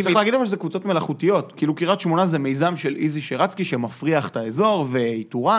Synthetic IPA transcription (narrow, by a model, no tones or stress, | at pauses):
t͡s̪χlaːɡidlfaʃezekvut͡so̞tme̞laχutijo̞tkiiːlukiʁat̪ʃmo̞nazeme̞jzamʃelʔiziʃeʁat͡skiʃemafʁiaχt̪aezo̞ʁve̞ituʁa